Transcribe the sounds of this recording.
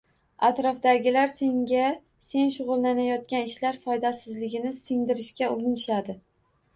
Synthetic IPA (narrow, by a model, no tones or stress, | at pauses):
at̪ɾɒfd̪aɡʲɪlaɾse̞ŋɡʲa | se̞nʃʊʁʊlˠːanajɒt̪̚kʲanɪʃlaɾfɒjd̪asɪzlɪɡʲɪnɪsɪŋd̪ɪɾɪʃkʲaʊɾɪnɪʃad̪ɪ